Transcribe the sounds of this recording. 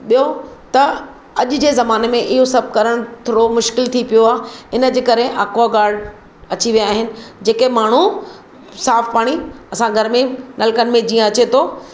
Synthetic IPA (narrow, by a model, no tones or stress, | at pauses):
ɓijot̪ɐ | ɐʄd͡ʑeːzɐmaːnemẽʔɪɦosɐb̚ʱkɐɾəɽ̃t̪ʰoːɽomʊʃkɪlt̪ʰipijoaːɦɪnə̆d͡ʑeːkɐɾeʔaːkoaɡaːɾɽ | ɐt͡ɕiʋijaːɦɪnɪ̆d͡ʑeːkemaːɳ̤u | saːfpaːɽ̃iɐsãɡʱɐɾmẽnɐlkənɪ̆mẽd͡ʑiːə̃ɐt͡ɕet̪ʰoː